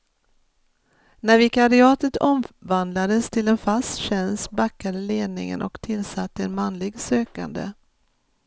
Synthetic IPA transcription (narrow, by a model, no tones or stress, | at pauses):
næɾvɪkad̪ɪɑːt̪ət̪ʰɔmvand̪lad̪əst̪ʰɪlɛnfast̪ɕɛnst̪bakːad̪əleːd̪nɪ̰ŋə̰nʔɔ̰kt̪ʰɪlsat̪ːəɛnmanlɪɡsøːka̰nd̪ə̰